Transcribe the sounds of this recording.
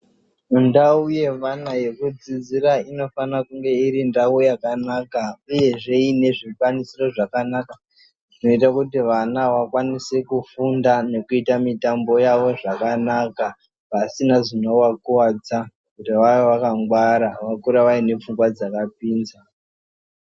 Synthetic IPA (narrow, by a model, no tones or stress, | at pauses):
undauje̞ʋanaje̞kud͡zid͡ziɾaino̞fanakuŋɡe̞iɾindawojakanakauje̞ʐe̞ine̞ʐikwanisiro̞ʐakanaka | ʐ̥ino̞itakutiʋanaʋakwanisekufundane̞kuitamitambo̞jaʋo̞ʐakanaka | pasinaʐinowakuwad͡za | kutiʋajoʋakaŋɡwaɾaʋakuɾaʋaine̞p͡fuŋɡwad͡zakap̚iːnza